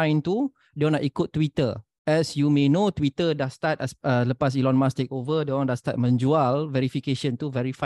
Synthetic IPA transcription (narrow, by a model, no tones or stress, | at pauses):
ãjnt̪u | dõnaʔikut̪̚ːwit̪ə̰ | ʔɛsjumenot̪wit̪ədast̪at̪̚ɛsələpas̬ilɔ̃nmãst̪ek̚ovədõndast̪a̰t̪̚mə̃nd͡ʒualvɛɾifikeʃə̃nt̪uvɛɾifa